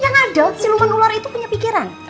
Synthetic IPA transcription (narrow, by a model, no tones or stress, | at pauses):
jaŋaɖasiluŋənulaɾit̪upuɲapikiɾan